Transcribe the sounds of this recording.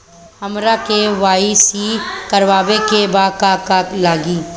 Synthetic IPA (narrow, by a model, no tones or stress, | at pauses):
hɐmɾakeʋaːisikɐɾʋaːbekebaːkakaːlaːɡiː